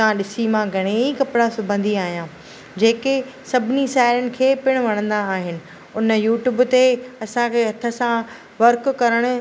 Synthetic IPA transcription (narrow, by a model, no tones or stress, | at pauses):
t̪ãɗɪsimãɡʱɐɽ̃eikɐpɪɽasʊbʱə̃nd̪ʱiaːɦijãː | d͡ʑeːkesɐbʱɪniʃaːɦɪɾənɪ̆kʰeːpɪɽ̃ʋɐɽ̃ə̃nd̪aːɦɪnɪ̆ | ʊnəjuːʈjuːbt̪eɐsãkʰeɦɐt̪ʰə̆sã | ʋɐɾkkɐɾəɽ̃ʊ̆